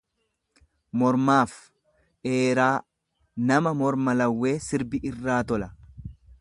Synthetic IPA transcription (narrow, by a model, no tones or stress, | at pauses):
mɔɾmaːf | ʔe̞ːɾaː | nɐmɐmɔɾmɐlɐwːe̞ːsɪɾbɪʔɪrːaːt̪ɔlɐ